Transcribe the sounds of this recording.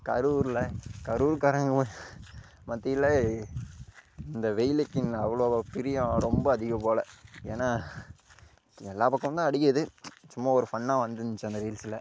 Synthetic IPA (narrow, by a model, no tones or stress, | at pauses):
kɐɾuːɾlɐkɐɾuːɾkɐɾɐŋɡɯmɯ̃ | mɐt̪ːɪɪlːɐ | ɪnd̪ɐʋɛjɪlɛkːɪnɐʋɐɭoːpɪɾɪjɐ̃ɾɔmbɐɐðɪɣɐ̃p̬oːlɛeːnːaː | ɛlːaːpɐkːɔ̃nt̪ãːɐɽɪkːɪɐðɯt͡ʃʊmːaɔɾɯfɐnːaːʋɐnd̪ɯnt͡ʃːnd̪ɐɾiːlsɪlɐ